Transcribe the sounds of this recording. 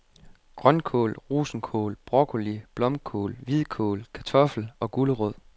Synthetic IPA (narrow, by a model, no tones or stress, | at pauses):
ɡ̥ʁɶnkʰo̰ːlʁṵːsn̩kʰo̰ːlb̥ʁɒɡ̥ʰolib̥lɒ̽mkʰo̰ːlʋiðˠkʰo̰ːlkʰæt͡sʰɒ̽fl̩ɒ̽ɡ̥uləʁɔð̰ˠ